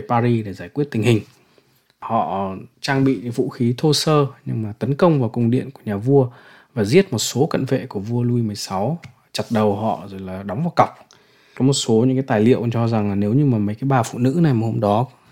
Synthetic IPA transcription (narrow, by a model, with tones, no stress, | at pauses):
paː˧zi˧ɗe˧˩zaː˧˩jk̚wi˦˥ət̚t̪ï˨˩ŋ̟hï˨˩ŋ̟ | hɔ̰˧˨t͡ɕaː˧ŋɓḭ˧˨ɲa˨˦vṵ˧˨xi˨˦t̪ʰo˧səː˧ɲɨ̰˧ŋmaː˨˩t̪ə˨˦nkə˧wŋ͡mvaː˨˩wkʊ˨˩ŋ͡mɗḭ˧˨ənku˧˩əɲaː˨˩vu˧ə | vaː˨˩zi˦˥ət̚mo˨˩t̚so˨˦kə̰˧˨nvḛ˧˨ku˧˩əvu˧əlu˧i˧mɨ˨˩əjsa˨˦w | t͡ɕa˨˩t̚ɗə˨˩wɦɔ̰˧˨zo˨˩jlaː˨˩ɗa˨˦ŋ͡mvaː˨˩wka˨˩wk͡p̚ | kɔ˨˦mo˨˩t̚so˨˦ɲɨ̰˧˥kaː˨˦t̪aː˨˩jlḭ˧˨əwt͡ɕɔ˧za˨˩ŋlaː˨˩ne˨˦wɲɨ˧maː˨˩mə˨˦jkaː˨˦jɓaː˨˩fṵ˧˨nɨ̰˧˥na˨˩jmaː˨˩ho˧ŋ͡mɗɔ˨˦